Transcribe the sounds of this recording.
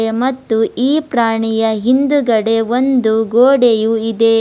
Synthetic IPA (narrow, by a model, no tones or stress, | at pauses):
emɐt̪ːuiːpɾaːɳijɐɦind̪uɡɐɽe̞ʋond̪uɡoːɽejuid̪e̞